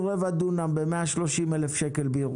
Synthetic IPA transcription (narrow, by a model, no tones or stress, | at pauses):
ʁevad̪unambemeaʃlo̞ʃimelefʃekelbeiʁ